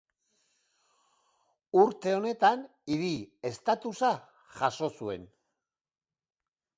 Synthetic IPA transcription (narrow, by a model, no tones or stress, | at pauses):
uɾt̪e̞o̞ne̞t̪an | iɾie̞st̪at̪usa | ʝaso̞sue̞̰n